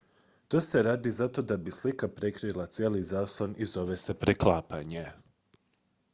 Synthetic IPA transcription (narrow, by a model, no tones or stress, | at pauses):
t̪oːseɾaːd̪izat̪o̞d̪abislikapɾe̞kɾilˠat̪sʲjeːlizaːslˠonizo̞ʋe̞se̞pɾeklˠaːpaɲe